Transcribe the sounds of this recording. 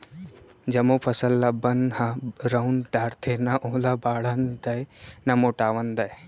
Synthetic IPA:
d͡ʒɐmopʰɐsɐlːabɐnhãɾɐunʈaːɾt̪ʰenaʔoːlabaːɽɐnd̪ɐjnɐmoʈaːʋɐnd̪ɐj

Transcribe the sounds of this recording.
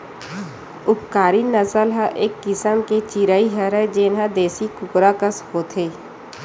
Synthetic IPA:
ʊpkaːɾinəsəlɦəʔeːkːɪsəmket͡ʃiːɾaiɦəɾɛd͡ʒeːnɦə̃d̪eːsikʊkɾakəsɦoːt̪ʰeː

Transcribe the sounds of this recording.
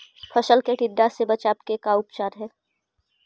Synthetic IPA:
pʰəʃəlkeʈɪɖ̪ːasebɐt͡ʃaːp̚kekaʊpt͡ʃaːɾɦɛː

